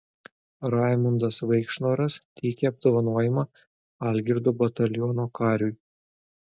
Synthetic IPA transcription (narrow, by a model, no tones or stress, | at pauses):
ɾɑˑɪmʊnd̪ɐsʋɐɪkʃnoːɾɐst̪ʲɛɪkʲeɐb̚d̪oːʋɐnuɔjɪmɑ | ɐˑlʲɡʲɪɾd̪oːbɐt̪ɐlʲjɔnoːkɑːɾʲʊj